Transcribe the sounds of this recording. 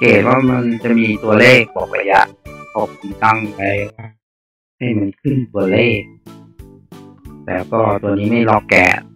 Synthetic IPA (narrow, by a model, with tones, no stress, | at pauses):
keː˨˩t̪̚waː˥˩ma˧nt͡ɕa˨˩ʔmiː˧t̪u˧ɐleː˥˩k̚bɔː˨˩k̚ʔa̰˧˩ja̰˧˥ʔkʰɔ˧˩kʰu˧nt̪a˥˩ŋpa˧jwaː˥˩ | ha˥˩jma˧nkʰɯ˥˩nt̪u˧ɐleː˥˩k̚ | lɛ̰ː˨˦˥wkɔː˥˩t̪u˧ɐniː˦˥ma˥˩jlɔ˧˩kkːɛ̰ː˨˩